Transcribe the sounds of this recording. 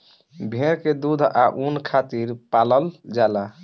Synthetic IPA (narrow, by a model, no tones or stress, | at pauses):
bʱeɾked̪ud̪ʱa̰ʔunkʰat̪iɾpaləld͡ʒala